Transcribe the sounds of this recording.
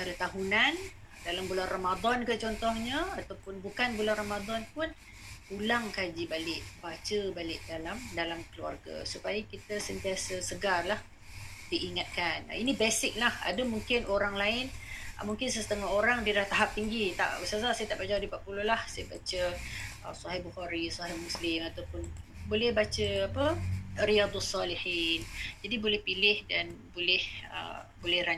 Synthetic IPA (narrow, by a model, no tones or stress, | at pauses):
t͡ʃaɾat̪aɦunan | dalambulanramad̪ɔnkət͡ʃɔnt̪ɔhɲəat̪awpʊnbukanbulanramad̪ɔnpʊn | ulaŋkad͡ʒibalɪʔ̚bat͡ʃəbalɪʔ̚dalamdalamkəlua̰rɡa̰supajakit̪əsənt̪iasəsəɡarlah | diʔiŋat̪̚kan̰inibesɪk̚laha̰dəmuŋkɪnoɾaŋlaɪn̰muŋkɪnsəst̪əŋaɦoɾaŋdidaht̪aɦap̚t̪iŋɡit̪a̰ʔusazasajət̪aʔbəd͡ʒawdipaʔ̚pulʊlahsajəbat͡ʃəə̰sɔɦɪhbuhaɾisɔɦɪhmuslɪmat̪awpʊnbolɛhbat͡ʃəapərijad̪sːɔliħind͡ʒadibolɛhpilɪhdanbolɛhə̰bolɛhɾa